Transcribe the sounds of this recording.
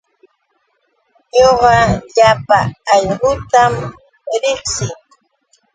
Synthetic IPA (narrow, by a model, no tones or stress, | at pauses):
ɲoɢɑʎapaːʎɢʊt̪am | ɾɪχsɪŋ